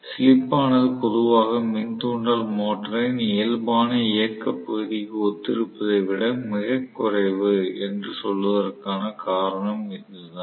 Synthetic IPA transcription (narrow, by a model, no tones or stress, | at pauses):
sɪlɪpːaːnɐðɯpɔðɯʋaːɣɐmɪnd̪uːɳɖaːlmoːʈːɐɾɐneːlbaːnɐɪjɐkːɐpːɐɣɯðɪkːɯɔt̪ːɪɾɯpːɐðɐɪʋɪɽɐmɪɣɐkːʊrɐɪʋɯɛndrɯsɔlʋɐðɐrkaːnɐkaːɾɐɳɐmɪkːɯlɐða